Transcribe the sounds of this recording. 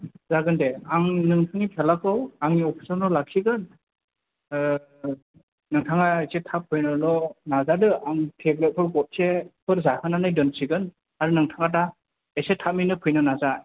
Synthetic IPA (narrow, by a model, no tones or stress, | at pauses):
zaɡɯndeaŋnɯŋtʰaŋipʰelakʰɯwaŋiɔpʰi̥sɔɾnɔlak̚siɡɯn | nɯŋtʰaŋaesetʰap̚ʰːɯjnɯlɔnazadɯaŋtʰeɡɾɯt̚pʰɯɾɡɔt̚sepʰɯɾzahɯnanɯjdɯnsiɡɯn | aɾunɯŋtʰaŋat̬a | esetʰaminɯpʰɯjnɯnaza